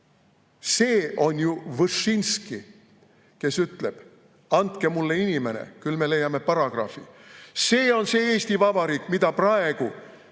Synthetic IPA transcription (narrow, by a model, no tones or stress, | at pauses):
se̞ːo̞nʲjuvɨʂinski | ke̞syt̪le̞b̥ | ɑnt̪ke̞mulːeinime̞nḛkylme̞le̞jːɑme̞pɑɾɑɡ̥rɑ̰fḭse̞ːo̞nse̞ːe̞ːsʲt̪ivɑbɑɾiːkːˑmid̪̥ɑprɑe̞ɡ̥u